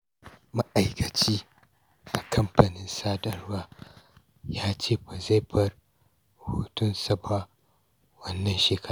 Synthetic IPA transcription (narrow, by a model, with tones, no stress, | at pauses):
ma˦ʔa˨jkʰɐ˨t͡ʃiː˦ | ʔa˨kʰɐ˦mpɐ˨nɪ˦nsaː˦dɐ˨rwaː˦ | jaː˦t͡ʃeː˦˨ɸa˨ze˦ɸɐ˦r | hoː˦tʊ˦nsɐ˦ba˦ | wɐ˦nːɐ˦nʃeː˨kɐ˦